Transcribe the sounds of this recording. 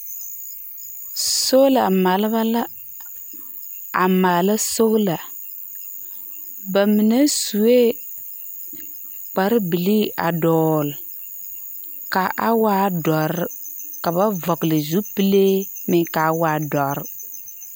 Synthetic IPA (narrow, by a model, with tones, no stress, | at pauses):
so˦la˨ma˨lba˦la˦ | a˨ma˨la˦so˦ɣla˨ | ba˨mi˨na˦su˨e˦ | k͡pa˨ɾbi˨li˦a˨dɔː˨l | ka˨ʔa˦waː˦dɔ˨ɾka˨ba˦vɔ˨klɪ˨zu˦pi˦le˦mɪ˨ka˨˦waː˦dɔ˨ɾ